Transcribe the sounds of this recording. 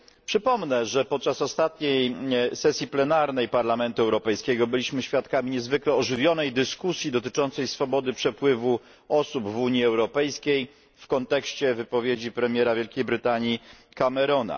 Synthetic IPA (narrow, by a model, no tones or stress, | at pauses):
pʂɘpɔmnɛʐɛpɔt̪̚t͡ʂasɔst̪at̪ɲejsɛsʲjiplɛnaɾnɛjpaɾlamɛnt̪uɛwɾɔpɛjskʲɛɡɔbɘlʲiɕmɘɕfʲjat̪kamʲiɲɛzvɘklɛɔʐɘvʲjɔnɛjd̪ɘskusʲjid̪ɔt̪̬ɘt͡ʂɔnt̪sɛjsfɔbɔd̪ɘpʂɛpwɘvu | ɔsubvuɲjiɛwɾɔpɛjskʲej | fkɔnt̪ɛkɕt͡ɕɛvɘpɔvʲjed͡ʑipɾɛmʲjɛɾavʲjɛlkʲejbɾɘt̪aɲji | kamɛɾɔna̰